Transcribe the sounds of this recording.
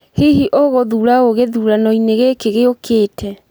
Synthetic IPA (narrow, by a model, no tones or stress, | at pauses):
hiɦiʔoɣoðuɾaoɣeðuːɾanɔineɣekeɣeokeːtʰɛ